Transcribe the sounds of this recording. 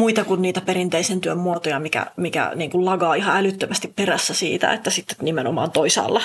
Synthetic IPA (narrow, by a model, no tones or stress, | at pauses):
muit̪ɑkunniːt̪æperint̪eisent̪yømmuot̪ojɑmikæ̰mikæ̰niːŋkullɑɡɑːihɑælyt̪ːømæst̪ipperæsːæsḭːt̪æ̰ḛt̪ːæsit̪ːe̥nimenomɑ̰ːnt̪oisɑ̰ːlːɑ